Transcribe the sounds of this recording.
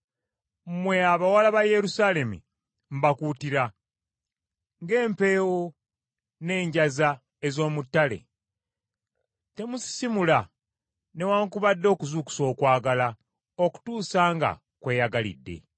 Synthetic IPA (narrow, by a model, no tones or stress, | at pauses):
mwe̞aβawalaβaje̞ɾusaːle̞mṵ | m̩bakuːtiɾa | ŋɡe̞ːmpe̞ːwo | ne̞ːɲɟaza | ezo̞ːmutːale̞̰ | te̞musi̥simula | ne̞waːŋkuβadːo̞ːkuzuku̥so̞ːkwaːɡala | oku̥tuːsaːŋɡa̰ | kwe̞ːjaɡalḭdːe̞̰